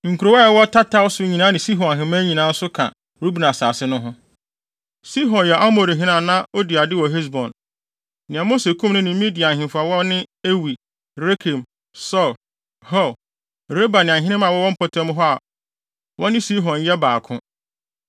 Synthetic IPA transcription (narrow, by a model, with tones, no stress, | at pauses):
ŋ̩˨kʰu˨ɾo˨wa˦ɛ˨wɔ˦tʰa˦tʰa˦wsʊ˦ɲĩ˨nã˦nɪ̃˨si˦ɦɔ̃˨nɦɪ̃˨mã˦ɲĩ˨nã˨˦n̩˦sʊ˦kʰã˨ | ɾu˦bi˨nã˨saː˨sɪ˦nʊ̃˦ɦʊ̃˦ | si˦ɦɔ̃˨njɛ˨ʔa˦mo˨ɾi˨ɦɪ̃˦nã˨nã˦o˦di˨a˨dɪ˦wɔ˨ɦe˦s̬bɔ̃˨n | nɪ̃˨ɛ̃˨mo˦se˨kʰũ˦mnʊ̃˦nɪ̃˨mĩ˦di˨a˨ɦɪ̃˨fa˨wɔ˦nɪ̃˦e˦wi˨ | ɾe˦kʰe˨m | sɔ˦˨l | hɔ˦˨l | ɾe˦ba˨nɪ̃˨ã˨ɦɪ̃˦nɪ̃˦mã˨wɔ˦wɔ̃˦m̩˦pʰɔ˨tʰɛ̃˦m˦ɦɔ˦a˨ | wʔɔ̃˦nɪ̃˦si˦ɦɔ̃˨njɛ˦baː˨kʰʊ̃˦